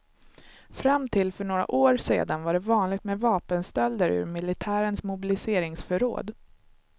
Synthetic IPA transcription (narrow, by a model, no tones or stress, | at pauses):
fɾamt̪ʰɪlːfœɳoːɾa̰ʔoːɾsḛːd̪anvaɖɛvɑːnlɪɡ̚t̪mɛvɑːpənst̪œld̪əɾʉ̰ɾmɪlɪt̪ʰæːɾənsmʊbɪlɪseːɾɪŋsfœɾo̰ːd̪